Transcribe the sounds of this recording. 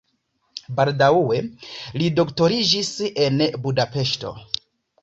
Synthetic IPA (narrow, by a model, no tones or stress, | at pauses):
baldauwe̞lido̞kto̞ɾid͡ʒise̞nbudape̞ʃto̞̰